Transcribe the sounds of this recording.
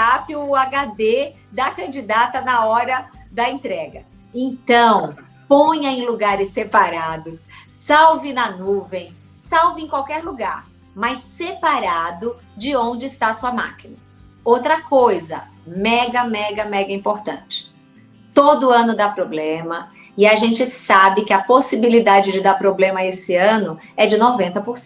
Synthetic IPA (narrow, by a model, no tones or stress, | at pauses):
apɪʊaɡad̪e | d̪ɐkɐ̃nd͡ʒid̪at̪ɐnɐɔɾɐd̪ɐẽnt̪ɾɛɡɐ | ẽt̪ɐ̃w̃ | põɲɐẽj̃luɡaɾɪsːepaɾad̪ʊssawvɪnɐnuvẽj̃ | sawvɪẽj̃kwawkɛɾluɡa̰ɾ | majsːepaɾad̪ʊ | d͡ʒɪõnd͡ʒɪɪst̪aɐsuɐma̰kinɐ | owt̪ɾɐkojzɐ | mɛɡɐmɛɡɐmɛɡɐĩpoɾt̪ɐ̃t͡ʃɪ̥ | t̪od̪ʊɐ̃nʊd̪apɾoblẽmɐ | ɪaʒẽnt͡ʃɪsabɪkɪɐposibilid̪ad͡ʒɪd͡ʒɪd̪aɾpɾoblẽmɐesɪɐ̃nʊɛd͡ʒɪnovẽnt̪ɐpoɾsẽ